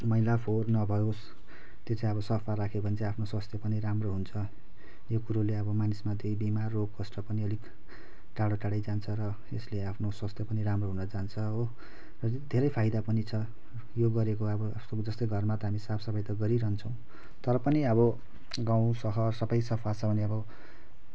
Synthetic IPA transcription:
mʌɦilapʰornʌbʱʌjos | t̪jot͡sãʌβʌsʌpʰaɾakʰebʱʌnt͡sãapʰnoswʌst̪jʌpʌniɾamroɦunt͡sʰʌ | jokuɾoleʌbʌmanismad̪ejbimarːoɡ̚kʌsʈʌpʌniʌlik | ʈaɽoʈaɽajd͡zant͡sʰʌɾʌ | esleapʰnoswast̪ʰjʌpʌniɾamroɦunʌd͡zant͡sʰʌo | rʌd̪ʱeɾʌjpʰajd̪apʌnit͡sʰʌ | joɡʌɾekoʌbʌsod͡zʌst̪ʌjɡʱʌrmat̪ʌɦamisapʰsʌbʌjt̪ʌɡʌɾiɾʌɦnt͡sʰʌ̃w̃ | t̪ʌɾʌpʌniʌbʌ | ɡãw̃sʌɦʌrsʌbʌjsʌpʰat͡sʰʌbʱʌneʌbʌ

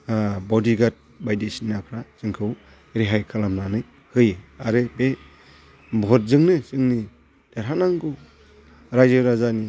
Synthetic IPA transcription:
bɔdiɡat̚ | bajdesinakʰɾasɯŋkʰɯw | ɾeɦajkʰalamnanɯj | hɯjaɾɯbe | bʱɔt̚zɯŋnɯsɯŋni | d̥eɾɦanaŋɡɯ | ɾajzɯɾazani

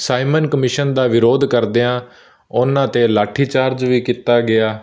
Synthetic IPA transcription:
saːɪmənkəmɪʃənd̪aːʋɪɾoːd̪kəɾd̪eːãː | ʊnãːt̪eːlaːʈʰːiːt͡ʃaːɾd͡ʒʋiːkit̪aːɡɪaː

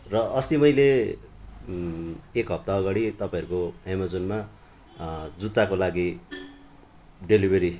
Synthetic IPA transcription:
rʌʔʌslimʌjle | ekɦʌb̚t̪aʌɡaɽit̪ʌpaĩɦʌɾukoɦemad͡zonma | d͡zut̪ːakolaɡi | ɖelibʱeɾi

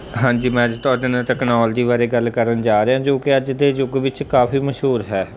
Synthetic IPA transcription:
ɦãːɲd͡ʒiːmɛ̃ːəd͡ʒt̪ʊaːɖeːnãːʈɛːknɔːld͡ʒiːʋaːɾeːɡəlkəɾənd͡ʒaːɾeːãːd͡ʒoːkɪəd͡ʒd̪eːd͡ʒʊɡʋɪt͡ʃkaːfiːməʃɦuːɾɦɛː

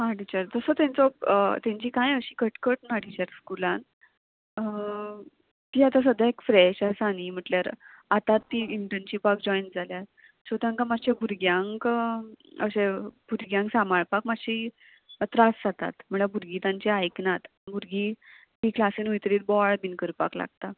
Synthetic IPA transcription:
ɦãʈit͡ɕaɾt̪əsət̪jãnt͡sɔpt̪jãɲt͡ɕiːkãjəɕiːkəʈkəʈnaɽit͡ɕaɾskulãn | t̪iːat̪as̬əd̪ʱːaekfɾɛɕasanim̤əʈljaɾ | at̪at̪ːiːiɳʈənt͡ɕiːpakd͡ʑɔjnd͡zʱaljat̪ | ɕət̪ãŋkamaɕebʱuɾɡjãŋk | ə̰ɕebʱuɾɡjãŋksamaɭpakmaɕi | t̪ɾasd͡zat̪a̰t̪m̤əɭabʱuɾɡiːt̪ãɲt͡ɕeajknat̪ | bʱuɾɡi | ɦiːklasinujt̪ɾiːt̪̚bɔaɭbinkəɾpa̰kla̰ɡ̚t̪a

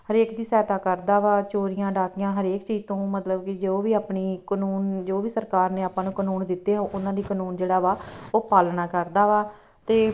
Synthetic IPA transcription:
ɦəɾeːkd̪iːsɛːt̪aːkəɾd̪aːʋaːt͡ʃoːɾijãːɖaːkɪjãːɦəɾeːkt͡ʃiːd͡ʒt̪õːmət̪ləbkɪd͡ʒoːʋiːaːpniːkənuːnd͡ʒoːʋiːsəɾkaːɾneːaːpãːnũːkənuːnd̪ɪt̪ːeːɦãʔʊnãːd̪iːknuːnd͡ʒeːɽaːʋaːoːpaːlnaːkəɾd̪aːʋaː | t̪eː

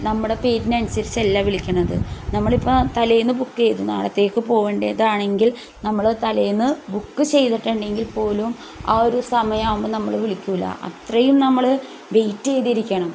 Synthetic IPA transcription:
nɐmːuɽe̞pe̞ːɾinɐnsɐɾselːaʋiɭikʲːɐɳːɐðɨ̰nɐmːɐɭipːot̪ɐlɐjnːɨbukːt͡ɕejt̪unːa̰ːɽɐt̪ːe̞ːkːɨpo̞ːɣeɳɖeðaːɳe̞ŋɡil | nɐmːɐɭt̪ɐlɐjnːɨbukːɨt͡ɕe̞jðiʈːɐɳɖe̞ŋɡilpo̞ːlum | aːoɾusɐmɐjɐːumbɨnɐmːɐɭʋiɭikʲːuilːɐ̰ʔɐ̰t̪rɐjumnɐmːɐɭ | ʋe̞jtːejðiɾikʲːɐɳɐm

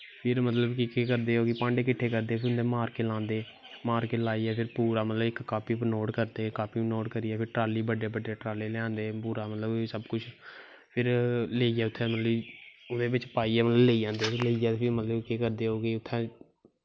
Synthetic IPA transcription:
pʰɪɾmət̪ləbkɪkeːkəɾd̪eːɦoːɡiːpãːɳɖeːkɪʈʰːeːkəɾd̪eːpʰɪɾʊnd̪eːmaːɾkeːlãːnd̪eː | maːɾkeːlaːiɛːpʰɪɾpuːɾaːmət̪ləbɪkkaːpiːpnoːɖkəɾd̪eːkaːpiːnoːɖkəɾiːɛːpʰɪɾʈɾaːliːbəɖeːbəɖeːʈɾaːleːlɛãːnd̪eːpuːɾaːmət̪ləbsəbkʊt͡ʃʰ | pʰɪɾleːiːɛːʊt̪ʰːɛ̃ːmət̪ləbʊd̪eːbɪt͡ʃpaːiːɛːmət̪ləbleiːd͡ʒãːnd̪eːpʰɾleːiɛːt̪ːpʰɪɾmət̪ləbkeːkəɾd̪eːɦoːɡiʊt̪ʰːɛ̃ː

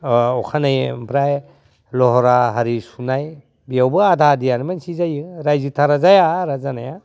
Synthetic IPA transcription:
ɔkʰanajbʰɾaj | lɔɦɔɾaɦaɾisunaj | bijawbɯadʱadijanimansizajɯɾajzitʰaɾazajaɾazanaja

